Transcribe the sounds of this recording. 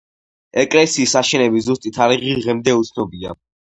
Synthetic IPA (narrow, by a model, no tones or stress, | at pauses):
ɛkʼlɛsiːsaʃɛnɛbizust̪ʼit̪ʰaɾiʁiʁɛmd̪ɛut̪sʰnɔbia̰